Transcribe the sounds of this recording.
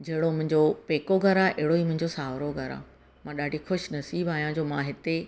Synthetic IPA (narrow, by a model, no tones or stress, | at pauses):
d͡ʑɐɦɪɽomʊ̃ɦɪ̃ɲd͡ʑopeːkoɡʱɐɾaːʔeɦɪɽoiːmʊ̃ɦɪ̃ɲd͡ʑosaːʋɾoɡʱɐɾa̰ː | mãɗaːɖʱixʊʃnɐsiːbaːijãd͡ʑoːmãɦɪt̪e